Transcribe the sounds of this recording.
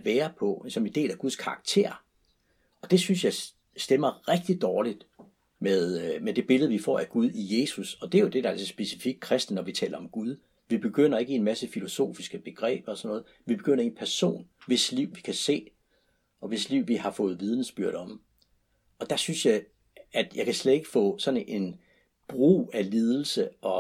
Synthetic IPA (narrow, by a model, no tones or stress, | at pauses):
ʋæːɐpʰɒ̽sɒ̽me̝nd̥e̝̰ːlæɡ̥uð̞ˠskʰɑ̈ɑ̈ɡ̥̚t͡sʰe̝̰ɐ̰ | ɒ̽d̥e̝synsjɑ̈ɪ | sd̥emɐʁɛɡ̥̚d̥id̥ɒːlid̥ | meðˠmed̥e̝b̥e̝lð̩ˠʋifɒ̰ːæɡ̥uð̞ˠije̝ːsusɒ̽d̥e̝æjo̝d̥e̝d̥ɑælsɐsb̥e̝si̥fiɡ̥̚kʰʁɛsd̥ənɒʋit͡sʰɛ̰ːlɐɒ̽mɡ̥uð̞ˠ | ʋib̥e̝ɡ̥øn̰ɐe̝ɡ̥əe̝nmæsəfilo̝so̝̰ːfisɡ̥əb̥e̝ɡ̥ʁɛ̰ːb̥ɒsɒ̽nːɔ̽ːð̞̩ˠ | ʋib̥e̝ɡ̥øn̰ɐe̝npʰæɐso̝̰ːnʋe̝sliʊ̰ʋikʰæse̝̰ː | ʔɒ̽ʋe̝sliʊ̰ʋihɑ̈fɔ̽ːð̞̩ˠʋiːð̞ˠn̩sb̥yɐ̰ɾ̥ɒ̽m | ɒ̽d̥ɑ̈synsjɑ̈ɪ | æd̥jɑ̈ɪkʰæsled̥e̝ɡ̥ə̥fɔ̰̽ːsɒ̽nʔe̝n | b̥ʁṵːæliːð̞ˠl̩səʔɒ̽